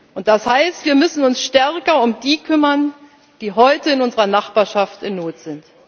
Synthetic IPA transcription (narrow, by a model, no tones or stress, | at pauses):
ʔʊnt̚d̥ashaɪstv̥iːɐmʏsn̩ʊnsʃtɛɐkɐʊmdiːkʰʏmɐn | d̥iːɦɔʏtəɪnʊnzəʁɐnaχb̥aːɐʃaftɪnːoːtz̥ɪnt